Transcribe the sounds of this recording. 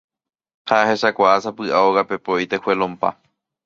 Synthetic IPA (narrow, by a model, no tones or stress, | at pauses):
haahe̞ʃakʷaʔasapɨʔaoɣape̞poʔit̪e̞hwe̞lõmpa̰